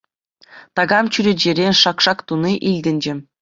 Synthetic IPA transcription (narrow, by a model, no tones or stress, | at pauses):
t̪ɑɡɑmt͡ɕyɾʲed͡ʑeɾʲenʲʂɑkʂɑkt̪uniʔilʲdʲɘ̆nʲd͡ʑɘ̆